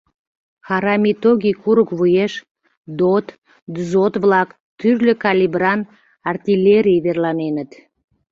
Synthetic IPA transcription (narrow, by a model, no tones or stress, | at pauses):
xɑɾɑmit̪oɣikuɾəkβujeʃ | d̪ot̪ | d̪zot̪βlɑk | t̪yrløkɑlʲibrɑn | ɑrt̪ʲilʲeɾʲijβerlɑnenət̪